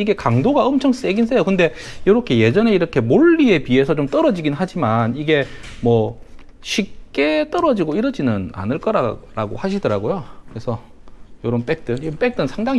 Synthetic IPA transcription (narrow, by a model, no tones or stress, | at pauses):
iɡe̞kaŋdoɡaʌmt͡ɕʰʌŋs͈eɡins̬͈ʰejokɯnde̞joɾʌkʰe̞je̞d͡ʑʌne̞iɾʌkʰe̞moɭːie̞pie̞sʰʌt͡ɕomt͈ʌɾʌd͡ʑiɡinɦad͡ʑimaniɡe̞mwʌ | ɕʰip̚k͈e̞t͈ʌɾʌd͡ʑiɡoiɾʌd͡ʑinɯna̰nɯɭk͈ʌɾaɾaɡo̰haɕʰidʌɾaɡojokɯɾesʰʌ | joɾʌnp͈e̞k̚t͈ɯnp͈e̞k̚t͈ɯnsʰaŋdaŋi